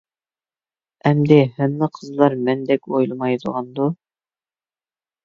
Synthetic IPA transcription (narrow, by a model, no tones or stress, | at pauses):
ɛmd̪ɪhænːɨqʰəzlˠɑɾmænd̪ɛkʲojlˠmɑjd̪ʊ̰ʁɑnd̪ʊ